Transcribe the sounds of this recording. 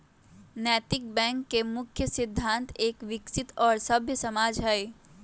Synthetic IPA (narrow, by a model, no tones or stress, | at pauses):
nɛːt̪ɪk̚bɛ̃ːŋkːemʊkʰjəsɪd̪ʱːãːnt̪ʰeːkʋɪksɪt̪ɔːɾsɐbʱjəsɐmaːd͡ʒɦɛe